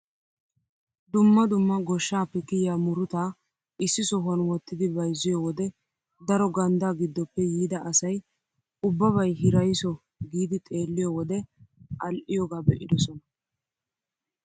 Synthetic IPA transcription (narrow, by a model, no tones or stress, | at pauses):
d̪ʊmːɐd̪ʊmːɐɡɔʃːaːpːɛkɪjaːmʊɾʊt̪aː | ʔɪsːɪsɔɦɐnwɔt̪ːɪd̪ɪbɐjzːɪjɔwɔd̪ɛ | d̪ɐɾɔɡɐnd̪aːɡɪd̪ːɔpːɛjiːd̪ɐʔɐsɐj | ʊbːɐβɐjɦɪɾɐjsɔ | ɡiːd̪ɪt̪ʼe̞ːlːɪjɔwɔd̪ɛʔɐlʔɪjɔɡaːbɛʔɪd̪ɔsɔnɐ